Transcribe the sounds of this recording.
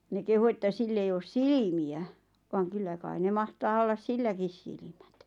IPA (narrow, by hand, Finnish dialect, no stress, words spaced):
ne kehu etːæ silː ei oːs silimiæ ʋɑːŋ kylːæ kɑi ne mɑhtɑː olːɑs silːækis silĭm̥æ̥t